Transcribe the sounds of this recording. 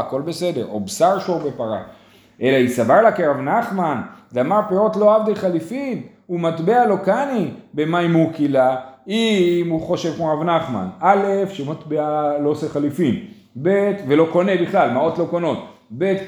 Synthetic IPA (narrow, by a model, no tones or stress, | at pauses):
ako̞lbe̞se̞de̞ʁo̞̰bsaʁʃoʁbe̞paʁa̰ | ʔe̞laisavaʁlakiʁavnaχmanveamaʁpeʁo̞t̪lo̞avd̪ejχalifim | umat̪bealo̞kanibe̞maimukilaimuχo̞ʃe̞vkmuʁavnaχma̰nale̞fʃemat̪bealoseχalifim | bet̪ve̞lo̞ko̞ne̞biχlalmao̞t̪lo̞kono̞t̪ | be̞t̪